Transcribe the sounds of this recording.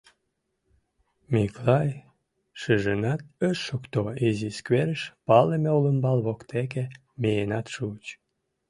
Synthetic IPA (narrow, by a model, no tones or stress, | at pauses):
miklɑj | ʃəʒənɑt̪̚əʃːokt̪oiziskβeɾəʃpɑlemeuləmbɑlβokt̪ek̬e | mejenɑt̪ʃut͡ɕ